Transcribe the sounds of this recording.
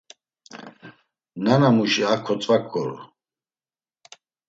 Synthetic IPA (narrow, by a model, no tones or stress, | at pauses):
nanamuʃiakʰːɔt͡sʼvakʼːɔɾɔ̰